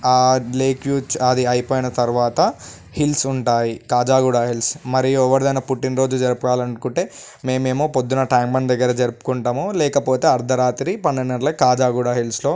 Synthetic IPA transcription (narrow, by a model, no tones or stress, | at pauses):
aleːkjuːt͡ʃɐd̪iɐjpoːjinɐt̪ɐɾuʋaːt̪ɐ | hilsuɳʈaːjikaːd͡ʒaːɡuːɽaːɦilsmɐɾijuɔʋɐɾid̪ɐjnɐpuʈːinɾo̞ːd͡ʒud͡ʒɐɾupɐʋaːlɐɳkuɳʈe̞ː | me̞ːmeːmoːpod̪ːunɐʈaːŋbɐnd̪ɐɡːɐɾɐd͡ʒɐɾupu̥kuɳʈɐmulɛːkɐpo̞ːt̪e̞ːɐɾd̪ʱɐɾaːt̪iɾipɐnːɐnːɐɽlɐkaːd͡ʒaːɡuːɽaːɦilslo̞ː